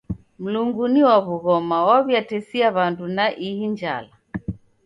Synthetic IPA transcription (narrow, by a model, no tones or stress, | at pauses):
m̩luŋɡuniwaβuɣɔmawaβjatɛsiaβandunaʔihind͡ʒa̰la